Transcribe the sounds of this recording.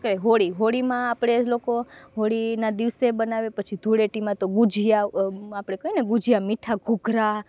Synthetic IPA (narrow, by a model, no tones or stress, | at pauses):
kəeɦoɽiɦoɽimãapɽ̃elokoɦoɽinad̪iʋsebənaʋepət͡ʃʰid̪ʱuɽeʈimãt̪oɡud͡ʒʱijaapɽ̃ekəineɡud͡ʒʱijamiʈʰaɡʱuɡʱɾa